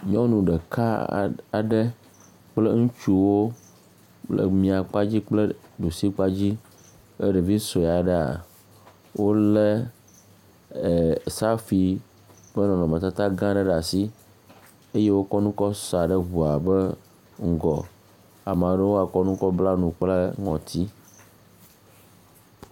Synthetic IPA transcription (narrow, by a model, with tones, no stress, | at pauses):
ɲɔ̃˦nũ˨ɖə˨ka˦a˨ɖə˦ | k͡ple˦ŋũ˦t͡ʃu˦wo˦ | lə̰˨mĩ˨a˨k͡pa˦d͡ʑi˦k͡plə˦ɖo˨si˦k͡pa˦d͡ʑi˦ | ḛ˦ɖe˨vi˦so˨a˨ɖə˦a̰˨ | wo˦le˦˨ | sa˦fi˨ | bɛ˦nɔ̃˨nɔ̃˨mɛ̃˨t̪a˦t̪a˦ɡã˦ɖe˦ɖa˨si˦ | e˦je˦wo˦kɔ˦nũ˦kɔ˦sa˨ɖə˦ɦu˨a˨bɛ˦ | ŋ̩˦˨ɡɔ˨ | a˨m˨ã˨ɖe˦wo˦a˨kɔ˦nũ˦kɔ˦bla˦nũ˨k͡ple˦ŋɔ̃˨t̪ʰi˦